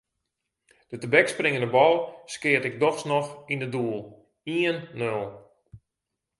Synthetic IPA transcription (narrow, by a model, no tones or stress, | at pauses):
d̥ətəbɛksprɪŋənəbɔlˠskɪətɪk̚dɔxsnɔxindəduəlˠ | iənːølˠ